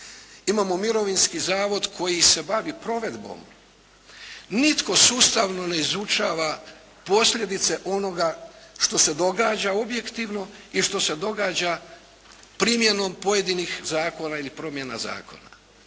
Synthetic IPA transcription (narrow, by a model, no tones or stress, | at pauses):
imaːmo̞miɾo̞ʋinskizaːʋo̞d̪kʰo̞jise̞baʋipɾo̞ʋe̞d̪bo̞̰m | nit̪ko̞suːst̪aʋno̞ne̞izut͡ʃaːʋa | po̞slʲje̞d̪it̪se̞ʔo̞no̞ɡaʃt̪o̞se̞d̪o̞ɡaːd͡ʑao̞bje̞kt̪iʋno̞iʃt̪o̞se̞d̪o̞ɡaːd͡ʑa | pɾimje̞no̞mpo̞je̞d̪inixzaːko̞nailipɾo̞mje̞na̰za̰ːko̞̰na̰